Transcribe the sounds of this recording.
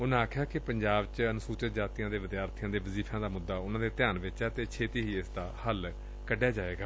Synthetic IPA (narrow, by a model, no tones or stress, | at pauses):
ʊnãːaːkʰjaːkɪpəɲd͡ʒaːbt͡ʃənʊsuːt͡ʃət̪̚d͡ʒaːt̪ijãːd̪eːʋɪd̪jaːɾt̪ʰijãːd̪eːʋəziːpʰãːd̪aːmʊd̪ːaːʊnãːd̪eːt̪ɪjaːnʋɪt͡ʃɛːt̪eːt͡ʃʰeːt̪iːɦiːɪsd̪aːhəl | kəɖjaːd͡ʒaːʋeːɡaː